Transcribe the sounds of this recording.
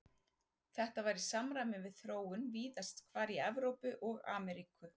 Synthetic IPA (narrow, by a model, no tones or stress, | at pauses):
θɛht̪avajɾisamɾajmɪnvɪðθɾoːwʏnviːðast̪kʰvaːɾiɛvɾowpʏʔɔɣa̰ːmɛɾikʏ